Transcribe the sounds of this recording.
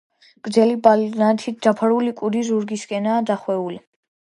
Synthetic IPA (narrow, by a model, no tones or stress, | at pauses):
ɡ̥ʼɾd̪zɛlibalnat̪ʰit̪̚ʰd̪apʰaɾulikʼud̪izuɾɡiskʼɛnaːd̪aχwɛuli